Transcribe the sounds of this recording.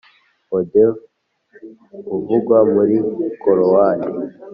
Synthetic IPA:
ode | uvuɡwamuɾikoɾowani

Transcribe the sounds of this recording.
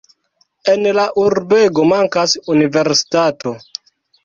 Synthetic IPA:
enlaʔuɾbe̞ɡo̞maŋkasunive̞ɾsi̥tato̞

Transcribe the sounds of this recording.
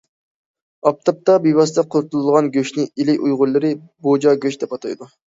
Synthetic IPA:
ɑp̚t̪ʰɑp̚t̪ɑbijwɑsɨd̪ɑqʰoɾt̪ulˠɨlˠʁɑnɡʲøʃnɪilɪjujʁʊlːˠɨɾɪ | bod͡ʒɑɡʲøʃd̪ɛpɑt̪ʰɑ̰jd̪u

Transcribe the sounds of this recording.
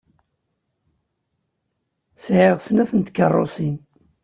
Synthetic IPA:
sʕɪʁsənæθənt̪kːərˤːo̰sin

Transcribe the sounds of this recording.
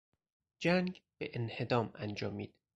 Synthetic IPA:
d͡ʒæŋɡb̥eʔenhe̞d̪ɒːmænd͡ʒɒːmiːd̪̥

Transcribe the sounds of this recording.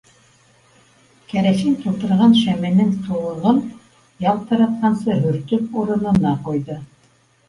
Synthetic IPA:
kʰæɾæʃɘnt̪ʰulˠt̪ɤ̆ɾʁɑnʃæmænɘŋt̪ʰulˠɤ̆ʁɤn | jɑl̚ˠt̪ʰɑɾɑt̪̚qɑnsɤɦɵ̆ɾt̪ɵp̚uɾɤ̆nɤ̆nɑqujðɤ

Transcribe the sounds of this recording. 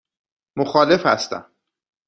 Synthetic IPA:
moxɒːle̞fhæst̪æ̰m

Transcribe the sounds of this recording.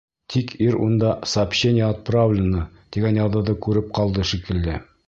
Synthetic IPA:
t̪ʰikiɾṵnd̪ɑsapɕenʲɪjəɐt̪̚pravlʲɪnːə | t̪iɡænjɑðɤ̆ðɤkʉɾɘp̚qɑlˠd̪ɤʃikɘ̆lːɘ

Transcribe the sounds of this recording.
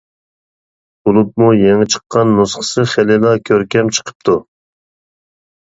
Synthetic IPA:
bulˠup̚mujɛŋɪt͡ʃʰə̥qːɑnːusχə̥sɨχɪlɪlˠɑkʲʰøɾkʲɛmt͡ʃʰə̥qʰə̥p̚t̪ʰu

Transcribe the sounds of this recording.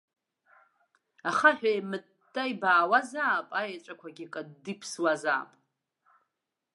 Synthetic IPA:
aχaħᶣajmɨ | tʼːajbaːwazaːpʼajat͡ʃʷʼakʷʰaɡʲikʼadipʰswaza̰ːpʼ

